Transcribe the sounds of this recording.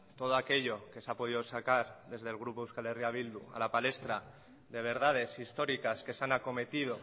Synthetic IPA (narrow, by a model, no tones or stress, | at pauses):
t̪o̞ð̞oake̞ʎo̞ke̞sapo̞ðiðo̞sakaɾðe̞zðelɣ̞ɾupoewskalerjaβ̞ild̪ua̰lapale̞st̪ɾa | ðe̞β̞e̞ɾð̞að̞e̞sist̪o̞ɾikaske̞sanako̞me̞t̪iðo̞